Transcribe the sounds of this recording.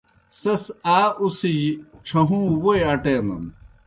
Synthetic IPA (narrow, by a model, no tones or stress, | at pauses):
sɐsaːusiʑit͡ɕʰɐɦũːwoeɐʈenɐ̰n